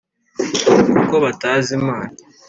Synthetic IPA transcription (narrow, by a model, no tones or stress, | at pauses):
ukoβataːzimaːna